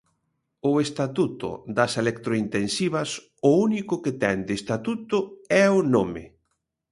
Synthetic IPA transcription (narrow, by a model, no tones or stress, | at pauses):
ʊest̪at̪ut̪ʊ̰d̪ɐselekt̪ɾoint̪ensiβɐs | ʊunikʊket̪ɛŋd̪est̪at̪ut̪ʊɛʊnomɪ̰